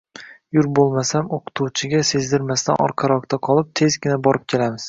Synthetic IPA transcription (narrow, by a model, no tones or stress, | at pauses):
jʊɾbolˠmasamoqʰɨ̥t̪ʰuwt͡ʃʰɪɡʲase̞zd̪ɪɾmast̪a̰nɒ̰ɾqʰɑɾɒk̚t̪ʰaqʰɒlˠɪp̚t̪ʰe̞zɡʲɪnabɒɾɪp̚kʲʰe̞lamɪz̥